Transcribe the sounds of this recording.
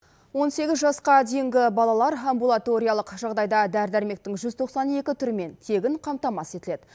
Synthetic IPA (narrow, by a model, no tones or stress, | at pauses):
wo̞nse̞ɡʲɪzʒɑsqɑd̪e̞jɪŋɡʲɪbɑlˠɑlˠɑɾambulˠat̪o̞ɾʲijɑlˠəqʒɑʁd̪ɑjd̪ɑd̪æɾd̪æɾme̞k̚t̪ɪŋʒʏzt̪ʰo̞qsɑne̞kʲɪt̪ʰʏɾɪme̞nt̪ʰe̞ɡʲɪɴqʰɑmt̪ɑmɑse̞t̪ɪle̞d̪